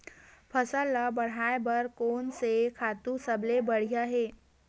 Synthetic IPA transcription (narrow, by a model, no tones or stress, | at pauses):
pʰəsəlabɐɽ̤aːebəɾkoːnsekʰaːt̪ũsəblebəɽ̤ijaɦeː